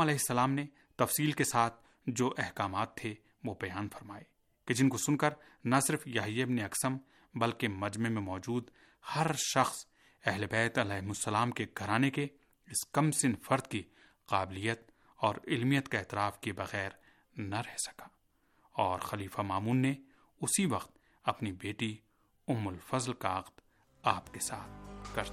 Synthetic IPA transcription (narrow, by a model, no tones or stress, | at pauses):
ɐlɛːɦɪsːɐlaːmne | t̪ɐfsiːlkesaːt̪̚ʰ | d͡ʒoːʔɛɦkaːmaːt̪ʰːe | ʋobɐjaːnfɐɾmaːe | ked͡ʒɪnkosʊnkɐɾ | nɐsɪɾfjɐɦijaɪbneɐksəm | bɐlkemɐd͡ʒmemẽmɔːd͡ʒuːd̪ | hɐɾʃɐxs | ɛɦlebɛːt̪ɐlɛːɦɪmʊsːɐlaːmkeɡʱɐɾaːneke | ɪskɐmsɪnfɐɾd̪ki | qaːbɪlijːət̪̚ | ɔːɾɪlmijət̪kaɛːt̪ɪɾaːfkebɐɣɛːɾ | naɾɛɦsɐ̥kḁː | ɔːɾxɐliːfamaːmuːnːe | ʊsiʋɐqt̪̚ | ɐpnibeːʈi | ʊmːʊlfɐzlkaɐqd̪ | aːpkesaːt̪̚ʰkɐɾ